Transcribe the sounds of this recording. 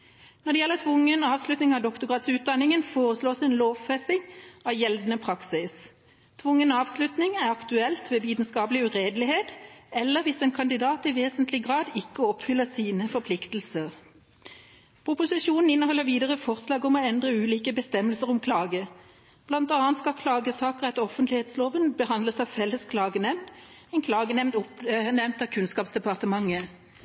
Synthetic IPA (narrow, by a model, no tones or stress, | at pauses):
nɔd̪ɛjɛlːəʁt̪ʰʋʊŋːənɑːʋslʉt̪nɪŋɑʋd̪ɔkt̪ʊɡʁɑːt̪sʉːt̪̚d̪ɑnɪŋənfoːʁəsloːsɛːnloːʋfɛsɪŋɑʋjɛld̪nəpʰʁɑksɪs | t̪ʰʋʊŋːənɑːʋslʉt̪nɪŋæʁɑkt̪ʉɛlt̪ʋeːʋiːt̪n̩skɑːplɪʉʁeːd̪lɪheːt̪ɛlːəɾʋɪseːnkʰɑnd̪ɪd̪ɑːt̪ɪʋeːsənt̪ʰlɪɡʁɑːd̪ɪkːəɔpfʏlːəsiːnəfɔpʰlɪkt̪l̩səʁ | pʰʊpʊsɪʃuːnn̩ɪnːəhɔlːəʁʋiːd̪əʁəfɔʁslɑːɡɔmɔɛnd̪ʁəʉːliːkəbəst̪ɛmːəlsəʁʊmkʰlɑːɡə | b̥lɑnt̪ɑːənt̪skɑkʰlɑːɡəsɑːkəʁɛt̪ɔfənt̪lɪheːt̪sloːʋənbəhɑnd̪ləsɑʋfɛlːəskʰlɑːɡənɛmnd̪ | ɛnkʰlɑːɡənɛmd̪ʊpnɛmnt̪ɑːʋkʰʉnskɑːpsd̪ɛpɑʁt̪əmɑŋːə